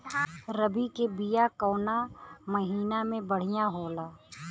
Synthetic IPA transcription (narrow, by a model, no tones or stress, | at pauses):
ɾəbikebijakɔːnaməɦiːnamẽbəɽ̤ijaɦoːlaː